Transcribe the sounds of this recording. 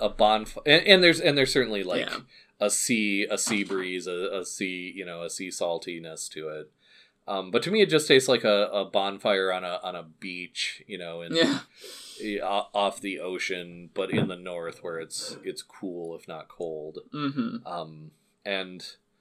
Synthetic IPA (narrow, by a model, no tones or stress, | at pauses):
ʔəbɑ̃nfɨ̃nʔɨ̃nðə˞zɨ̃nðə˞z̥sɜ˞ʔn̩lilaɪk | əsiəsibɹizɨəsijɨñoʊəsisɔlˠtʰinɨstʰɨɪt̚ | ʔʌ̃mbʌtʰɨmiɨt̚d̥ʒ̥ʌstʰeɪslaɪkəəbɑ̃nfaɪə˞ə̃nəʔə̃nəbit͡ʃjɨñoʊɨ̃njæ | ɪɔfðiʔoʊʃɨ̃nb̥ʌɾɪ̰̃nðɨnɔɹθwə˞ɨtsɪtskʰulˠɪfnə̰t̚kʰoʊlˠd̥̩m̥̩ʔʌ̃m | ʔɨ̃n